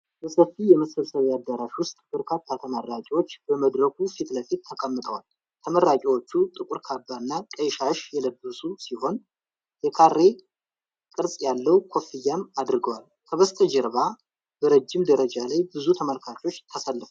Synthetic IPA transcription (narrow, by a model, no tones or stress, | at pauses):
bəsəfijɛməsəlsəβjad̪ːəɾaʃwʊst̪ʼb̥ɨɾkʰat̪ʰːat̪ʰəməɾːat͡ʃʼiwo̞t͡ʃːb̥əməd̪ɾəɡufit̪ləfit̪ʰːəkʰʼəmːɨt̪ʼəwal | t̪ʰəməɾːat͡ʃʼiwo̞t͡ʃːut̪ʼɨkʼʊɾkʰabːanːakʼəjʃaʃjɛləbːɨsusiho̞n | jɛkʰarːe̞ | kʼɨɾsʼjalːəwkʰo̞fijːamad̪ɾɨɡəwal | kʰəβəst̪ʼəd͡ʒɪɾβa | bəɾəd͡ʒːɪmd̪əɾəd͡ʒalajbɨzut̪ʰəməlkʰat͡ʃo̞t͡ʃːt̪ʰəsalːɨfu